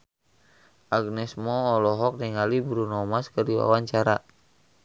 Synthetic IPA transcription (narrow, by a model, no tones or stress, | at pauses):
ʔaɡnɛsmɔːlɔɦɔk̚niŋalibɾunɔmaskərdiwa̰waɲt͡ʃaɾa̰